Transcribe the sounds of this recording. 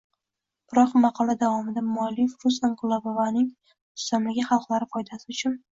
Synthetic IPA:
b̥ɪɾɒqmɑqʰɒlˠad̪avɒmɪd̪amɒlɪjfɾʊsaŋqʊlˠabavanɪŋ | ʊ̥st̪amlɪɡʲaχɑlˠqlˠaɾɪfɒjd̪asɪʊt͡ʃʰʊn

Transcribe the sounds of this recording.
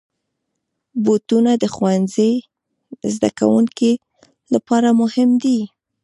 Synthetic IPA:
bot̪unad̪əxwanze | zd̪a̰ka̰wuŋki | lapɑɾamʊhɪmd̪i

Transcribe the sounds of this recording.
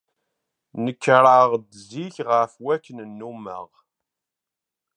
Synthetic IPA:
nəkːɾˤaʁd̪ziçʁəfwækːnnːumə̰ʁ

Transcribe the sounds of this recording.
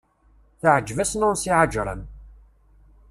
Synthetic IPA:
θəʕəd͡ʒːvæsnʊɾsiʕad͡ʒɾˤə̰m

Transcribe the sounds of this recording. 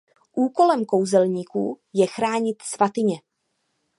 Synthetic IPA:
ʔuːko̞lɛmko̞wzɛlɲiːkṵː | jɛxɾaːɲɪt̪svat̪ɪɲɛ

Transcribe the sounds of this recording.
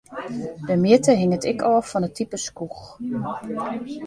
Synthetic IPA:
dəmjɪtəɦɪŋətɪkʰɔːfɔnətʰipəskux

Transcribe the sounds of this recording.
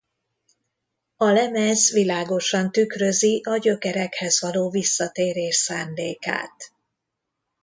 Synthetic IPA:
ɒlɛmɛzʋilaːɡo̞ʃɒnt̪ykrø̞ziʔɒɟø̞kɛɾɛkhɛzʋɒloːvisːɒt̪eːɾeːʃsaːnd̪eːka̰ːt̪

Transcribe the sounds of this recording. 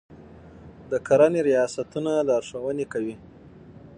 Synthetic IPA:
d̪əkʰaɾaneɾijɑsat̪unalaːɾʂawənekawi

